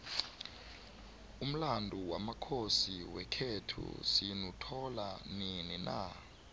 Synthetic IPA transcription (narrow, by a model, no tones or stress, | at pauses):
um̩landʱuwamakʰosiwɛkʰetʰṵsinutʰɔlanininʔa̰